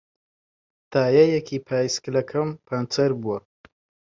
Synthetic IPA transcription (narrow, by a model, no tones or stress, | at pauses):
t̪aːjɐjɛkʰipʰaːjsklɐkʰɐmpʰɐnt͡sʰɐɾbuɐ